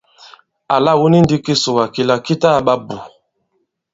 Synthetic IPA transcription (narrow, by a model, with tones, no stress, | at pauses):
a˨la˦˨wu˦ni˦n˦di˦ki˦su˨wa˨ki˨la˨ki˦ta˦˨ɓa˦bu˨